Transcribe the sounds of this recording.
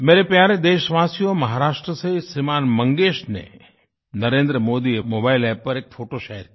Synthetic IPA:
meɾepjaɾed̪eʃʋasijomɐɦaɾaːʃʈɾəsəɦisimanməŋɡeʃnḛ | nəɾẽnd̪ɾəmod̪iemobailɛb̚pːəɾek̚fʰoʈoʃəɦɛɾ

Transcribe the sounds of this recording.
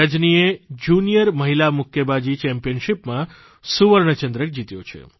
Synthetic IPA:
əd͡ʒnied͡ʒunijəɾməɦilamʊkʰjəbad͡ʒit͡ʃɛmpijənʃipmã | suʋəɾɳət͡ʃə̃nd̪ɾək̚d͡ʒit̪jo̰t͡ʃʰḛ

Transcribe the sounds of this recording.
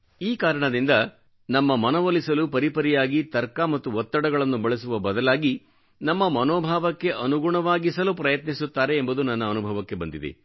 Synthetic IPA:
iːkaːɾɐɳɐd̪ind̪ɐ | nɐmːɐmɐnɐʋolisɐlupɐɾipɐɾijaːɡit̪ɐɾkamɐt̪ːuʋɔt̪ːɐɽɐɡɐɭɐnːubɐɭesuʋɐbɐd̪ɐlaːɡi | nɐmːɐmɐnɔːbʱaːʋɐkːe̞ʔɐnuɡuɳɐʋaːɡisɐlupɾɐjɐt̪nisut̪ːaːɾe̞ːmbud̪unɐnːɐːnubʱɐʋɐkːe̞bɐnd̪id̪ḛ

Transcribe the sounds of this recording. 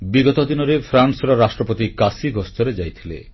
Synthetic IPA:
biɡɔt̪od̪inoɾefʰɾansɾaɾaʃʈɾopot̪ikasiɡɔst̪ʰoɾed͡ʑajt̪ʰilḛ

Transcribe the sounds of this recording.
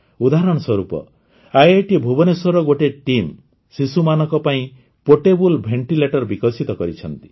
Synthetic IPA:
ud̪aɦɾɔɽ̃ɔswɔɾupɔ̰ | ajeʈibʱubɔnesɔɾɔɡoʈeʈim | sisumanɔkɔpaĩ | poʈebulbʱeɳʈileʈɔɾbikɔsit̪ɔkɔɾit͡ʃʰɔnt̪i̥

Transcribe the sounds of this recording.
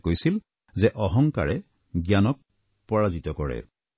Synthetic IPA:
kojsil | zɛʔɔɦɔŋka̰ɹɛ | ɡjanɔk̚ | pɔɹazitɔkɔɹɛ̰

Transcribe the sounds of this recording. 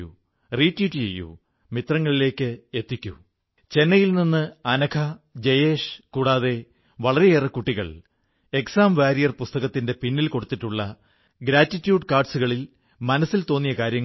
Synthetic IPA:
ṵ | riːtːiːʈːit͡ɕejːṵ | mit̪rɐŋːɐɭile̞ːkʲːɨe̞t̪ːikʲːṵ | t͡ɕe̞nːɐjilninːɨɐnɐkʰɐd͡ʑejeːʂkuːɽaːðe̞ | ʋɐɭɐɾeeːrɐkːuʈːiɣɐ̰ɭ | e̞ksaːmʋaːɾijɐrpust̪ɐɣɐt̪ːinde̞pinːilko̞ɽut̪ːiʈːuɭːɐ | ɡɾaːtːitːjuːɖkaːrɖsuɣɐɭil | mɐnɐsːilt̪o̞ːnːijɐkaːɾjɐŋː

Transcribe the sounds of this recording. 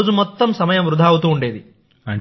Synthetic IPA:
d͡ʒumɔt̪ːɐmsɐmɐjɐmʋɾud̪ʱaːwut̪uːɳɖe̞ːd̪i | ɐɳ

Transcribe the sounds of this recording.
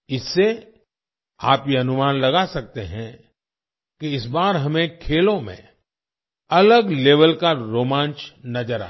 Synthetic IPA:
ɪsːe | a̰ːpjeɐnʊmaːnlɐɡasɐk̚t̪eɦɛ̃ | keɪsbaːɾɦɐmẽkʰeːlõmḛ̃ | ɐləɡleːʋəlkaɾoːmãːnt͡ʃnɐd͡ʒəɾa̰ː

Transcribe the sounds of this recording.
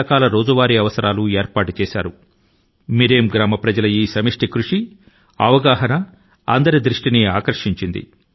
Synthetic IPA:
ɐkaːlɐɾo̞ːd͡ʒuʋaːɾiɐʋɐsɐɾaːlueːɾpaːʈut͡ʃɛːsa̰ːɾu | miɾeːmɡɾaːmɐpɾɐd͡ʒɐlɐjiːsɐmiʂʈikɾuʂi | ɐ̰ʋɐɡaːɦɐnɐ | ɐ̰nd̪ɐɾid̪ɾiʂʈiniaːkɐɾʂiɲt͡ʃind̪ḭ

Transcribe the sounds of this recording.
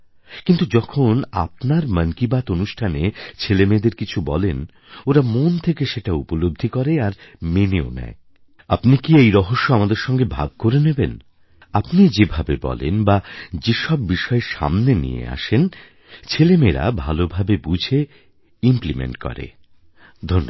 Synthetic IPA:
kint̪ud͡ʑɔkʰona̰p̚naɾmənkibat̪onuʃʈʰanet͡ɕʰelemed̪eɾkit͡ɕʰubɔlen | oɾamont̪ʰekeʃeʈaupolob̚d̪ʱikɔɾeaɾmeneonɛ̰e | apnikiejɾɔɦoʃːoamad̪eɾʃɔŋɡebʱa̰ɡ̚koɾeneben | apnid͡ʑebʱabebɔ̰lḛnbad͡ʑeʃɔbːiʃɔeʃa̰mnenḭjḛa̰ʃen | t͡ɕʰelemeɾa̰bʱalobʱabebud͡ʑʱe | implimḛɳʈkɔ̰ɾḛ | d̪ʱonːo

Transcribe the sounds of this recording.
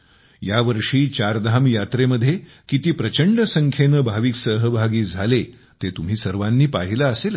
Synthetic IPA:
jaʋəɾʂiːt͡ɕaɾd̪ʱamjat̪ɾeməd̪ʱːje | kit̪iːpɾət͡ɕəɳɖəsəŋkʰenəbʱaʋiːksəɦəbʱaɡiːd͡zʱale | t̪et̪um̤iːsəɾʋanːiːpaɦilaːsel

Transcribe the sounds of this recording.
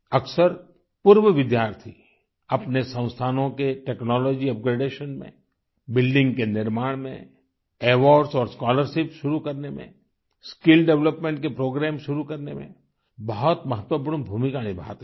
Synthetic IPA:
ɐksəɾ | puɾʋəʋɪd̪jaːɾt̪ʰi | ɐpnesə̃ʊ̃st̪ʰaːnõkeʈeːknɔːlɔːd͡ʒiɐp̚ɡɾeːɖeːʃənmḛ̃ | bɪlɖɪ̃ŋɡkenɪɾmaːɽ̃mḛ̃ | eːʋɔːɖsɔːɾskaːləɾʃɪpʃʊɾukɐɾnemḛ̃ | skɪlɖɛʋləpmẽɳʈ̚kepɾoːɡɾɛːmʃʊɾukɐɾnemḛ̃ | bəɦɔt̪mɐɦət̪wəpuːmbʱuːmikaːnibʱa̰ːt̪

